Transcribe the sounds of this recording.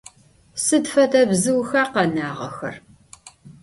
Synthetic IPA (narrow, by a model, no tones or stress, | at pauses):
sɨdfɐtʰɐbzɨwxɐːqɐnaːʁɐ̰xɐ̰r